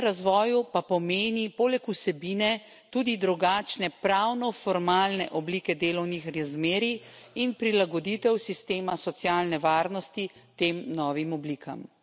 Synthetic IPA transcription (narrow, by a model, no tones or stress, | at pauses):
ɾazʋɔːjupapɔmeːnipoːlɛkusɛbiːnɛ | t̪uːd̪id̪ɾuɡaːt͡ʃnɛpɾawnɔfɔɾmaːlnɛ̰ʔɔbliːkɛd̪eːlɔwnixɾazmeːɾiinpɾilaɡɔd̪it̪ɛwsist̪eːmasɔt̪sjaːlnɛʋaːɾnɔst̪it̪eːmnɔːʋimɔbliːkʰa̰m